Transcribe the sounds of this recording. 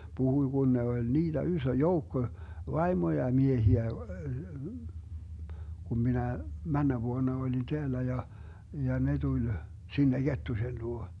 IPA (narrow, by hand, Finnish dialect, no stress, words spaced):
b̥uhuĭ ɡ̊un ne olʲ niːd̥æ ysø joukːo ʋɑimojɑ miehiæ kum minæ mænːæ ʋuonɑ olʲin teælːæ jɑ jɑ ne tulʲ sinːe ɡ̊etːusen luo